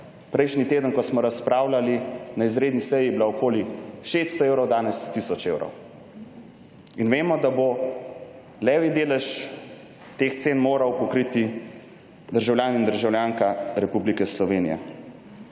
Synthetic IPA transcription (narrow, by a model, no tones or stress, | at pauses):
pɾɛjʃnit̪eːd̪ənkɔsmɔɾaspɾaːwlalinaizɾeːd̪nisɛjibilaɔkoːliʃest̪st̪ɔeːwɾɔwd̪aːnɛst̪isɔt͡ʃewɾɔ̰w | inʋeːmɔd̪abo | lɛːʋid̪eːlɛʃ | t̪ext̪senmoːɾawpɔkɾit̪i | d̪əɾʒawljaːnind̪əɾʒawljaːŋkaɾɛpublikɛslɔʋenḭja̰